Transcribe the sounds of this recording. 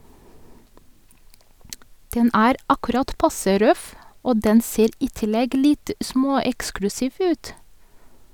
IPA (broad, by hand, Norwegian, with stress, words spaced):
ˈdɛn ˈæːɾ ˈɑkʉɾɑt ˈpɑsə ˈɾœf ˈoː ˈdɛn ˈseːɾ ˈiː ˈtɪlɛɡ ˈlɪt ˈsmoːˌɛksklʉsɪʋ ˈʉːt